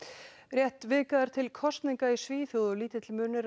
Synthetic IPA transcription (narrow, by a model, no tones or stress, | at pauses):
rjɛht̪vɪːkaðaɾ̥t̪ʰɪlkʰɔst̪niŋkaisviːθjowðʏliːt̪ɪt̪ʰɪlmʏːnɪɾ